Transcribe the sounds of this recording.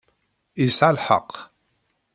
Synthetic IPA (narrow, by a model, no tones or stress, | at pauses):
isʕalħɑ̰qː